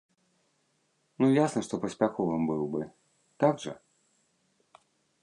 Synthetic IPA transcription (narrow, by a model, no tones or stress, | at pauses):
nujasnɐʂt̪ɔpɐsʲpʲaxɔvɨmbɨwbɨ | t̪aɡʐɐ̰